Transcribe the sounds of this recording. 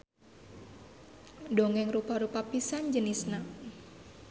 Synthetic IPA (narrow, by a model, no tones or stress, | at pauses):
dɔŋɛŋrupaɾupapisand͡ʒənisna